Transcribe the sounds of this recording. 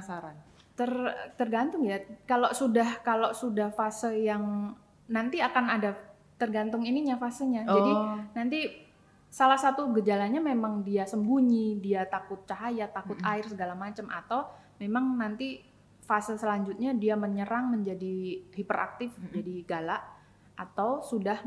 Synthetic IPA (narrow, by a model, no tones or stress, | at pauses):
asaɾan | t̪ərt̪ərɡant̪ʊŋjakalosudahkalosudahfasəljaŋ | nant̪iakanada | t̪ərɡant̪ʊŋiniɲafasəɲad͡ʒadinant̪i | salahsat̪uɡəd͡ʒalaɲamemaŋdiasəmbuɲidiat̪akʊt̪̚t͡ʃaɦajat̪akʊt̪aɪrsəɡalamat͡ʃamʔa̰t̪aw | memaŋnant̪i | fasəlsəlaɲd͡ʒʊt̪̚ɲadiaməɲəɾaŋməɲd͡ʒadihipəra̰k̚t̪ɪfməd͡ʒadiɡalaʔ | at̪awsudah